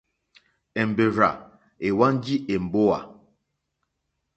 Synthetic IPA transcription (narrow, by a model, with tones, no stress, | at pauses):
ɛ˨m˨be˨ɾa̰˨ | e˨wa˦n˦d͡ʒi˦ʔe˨m̩˨bo˦wa̰˨